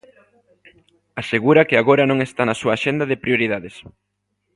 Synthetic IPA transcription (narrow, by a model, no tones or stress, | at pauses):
aseɣuɾɐkɪaɣoɾɐnõŋest̪anɐsuɐːʃend̪ɐðɪpɾjoɾiðaðes